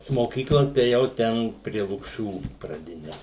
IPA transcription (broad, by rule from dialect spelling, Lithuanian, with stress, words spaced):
moːˈkʲiːklˠɐ tɐɪ eːˈjɛʊ ˈtʲɛn pʲrʲiɛ lˠʊkˈʃʲuː prɐˈdʲɪnʲɛ